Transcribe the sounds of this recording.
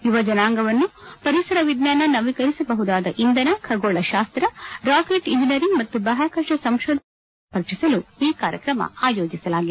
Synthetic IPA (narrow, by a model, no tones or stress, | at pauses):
iʋɐd͡ʒɐnaːŋɡɐʋɐnːupɐɾisɐɾɐʋid̪naːnɐnɐʋikɐɾisɐbɐɦud̪aːd̪ɐʔind̪ɐnɐkʰɐɡoːɭɐʃaːst̪ɾɐɾaːkeːʈind͡ʒinijɐɾiŋɡmɐt̪ːubɐɦaːkɐɾʂɐsɐmʃɔːd̪ | pɐɾt͡ʃisɐluiːkaːɾjɐ̰kɾɐmɐ̰aːjoːd͡ʒisɐlaːɡi